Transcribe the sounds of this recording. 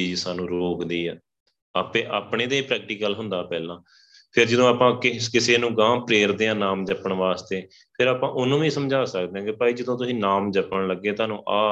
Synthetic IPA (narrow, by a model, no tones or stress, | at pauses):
iːd͡ʒsaːnũːɾoːkd̪iːɛː | aːpẽːʔaːpɳeːd̪eːpɾɛːk̚ʈiːkəlɦʊ̃nd̪aːpɛːlãː | pʰɪɾd͡ʒəd̪õːaːpãːkɪkɪseːnũːɡãːpɾeːɾd̪eːãːnaːmd͡ʒəpəɳʋaːst̪eː | pʰɪɾaːpãːʔʊnːũːʋĩːsəmd͡ʒaːsək̚d̪eːãːkɪpaːiːd͡ʒəd̪õːt̪̬ʊsĩːnaːmd͡ʒəpəɳləɡːeːt̪aːnũːʔaː